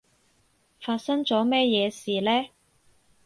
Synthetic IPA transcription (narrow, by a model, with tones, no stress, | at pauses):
faː˧t̚sɐ˥ŋt͡sɔː˨˥mɛː˥jɛː˨˧siː˨˩lɛː˥